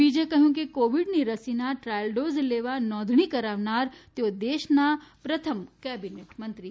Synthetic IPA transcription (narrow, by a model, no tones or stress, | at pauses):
biːd͡ʒekɐɦjũkikoːʋiɖniɾɐsinaʈɾaːjəlɖoːzleːʋanɔːd̪ʱɽ̃ikɐɾaːʋnaːɾt̪jod̪eːʃnapɾɐt̪ʰəmkɛːbineːʈmɐ̃nt̪ɾi